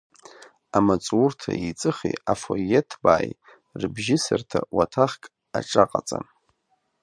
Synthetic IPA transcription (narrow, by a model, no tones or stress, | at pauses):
amat͡sʼurtʰait͡sʼɨχḭafojetʰbaːj | rbʒɪsertʰawatʰaχkʼ | aʈ͡ʂʼaqʼat͡sʼan